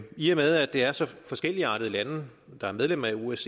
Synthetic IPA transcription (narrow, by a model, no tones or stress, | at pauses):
iəmeð̞ˠæd̥e̝æɐsɒ̽fɒ̽sɡ̥el̰iɑ̈ːɾ̥əð̞̩ˠlænəd̥ɑ̈æɐmeð̞ˠlem̰ɐæues